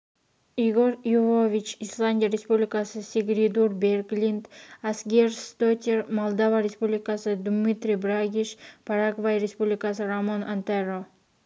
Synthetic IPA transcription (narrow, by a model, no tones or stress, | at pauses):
iɡoɾjuvovʲit͡ʃislˠand̪ʲijaɾʲespublʲɪkasɨsʲiɡɾʲid̪uɾbeɾɡlʲind̪asɡʲeɾst̪ot̪ʲeɾmolˠd̪avaɾʲespublʲɪkasɨd̪mit̪ɾʲibɾaɡʲiʃpʰaɾaɡvajɾʲespublʲɪkasɨɾamanʔant̪aɾo